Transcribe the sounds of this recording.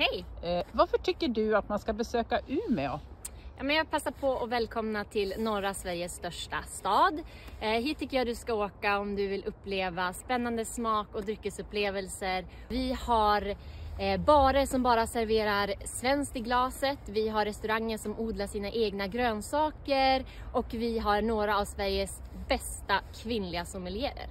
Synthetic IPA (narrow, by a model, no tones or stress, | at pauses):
hɛjvaɾfœʈʰʏkːəɖɵat̪manskabɛsøːkaʔʉ̟ːɾmɛɔ | jɑ̰ːmɛnjɑːɡ̚pʰasːapʰɔɔvɛːlkʰɔmnat̪ʰɪlnɔɾasvæɾjəsːt̪œʂʈast̪ɑːd̪ | ɦiːʈʰːʏkːəjɑd̪ɵskaoːkaɔmd̪ɵvɪlʔɵpːleːvaspɛnːand̪əsmɑːkɔd̪ɾʏkːəsɵpːleːvəlsəɾ | vɪhaɾ | bɑːɾəsɔmbɑːɾasæɾveːɾaɾsvɛnskt̪ɪɡlɑːsət̪vɪɦaɾɛst̪ɵɾaŋːəʂɔmuːd̪laʂiːnaʔeːɡnaɡɾøːnsɑːkəɾ | ʔɔkvɪɦaɾɳoːɾaːvsvæɾjəsbɛst̪akʰvɪnlɪɡasɔmɪljeə̰ɾ